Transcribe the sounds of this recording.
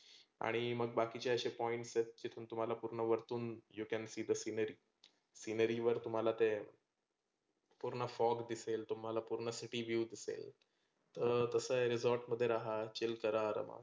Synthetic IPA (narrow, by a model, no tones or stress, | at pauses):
a̰ɽ̃iməɡ̚bakit͡ɕeəɕepɔiɳʈset̪̚t͡ɕit̪ʰuːnt̪um̤alapuɾɳəʋəɾt̪uːnjukɛnsiːd̪əsinəɾiː | sinəɾiʋəɾt̪um̤alat̪e | puɾɳəfɔɡd̪iselt̪um̤alapuɾɳəsiʈiʋjuːd̪isḛl | t̪əɾt̪əsəɾizɔɾʈməd̪ʱːjeɾaɦat͡ɕilkəɾaɾə̰ma̰